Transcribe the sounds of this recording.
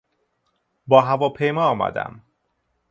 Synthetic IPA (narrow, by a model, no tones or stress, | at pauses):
bɒːɦævɒːpʰe̞jmɒːɒːmæ̰d̪æ̰m